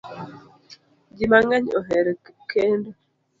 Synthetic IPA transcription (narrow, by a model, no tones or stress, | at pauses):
ɟimaŋaɲoɦeɾekeːnda